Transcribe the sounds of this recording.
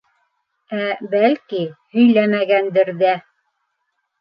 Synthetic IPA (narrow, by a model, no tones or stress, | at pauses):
æbælkihɵ̆jlæmæɡænd̪ɘɾðæ